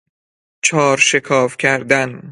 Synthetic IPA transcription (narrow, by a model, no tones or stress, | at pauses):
t͡ʃʰɒːɾʃekʰɒːfcʲʰæɾd̪æn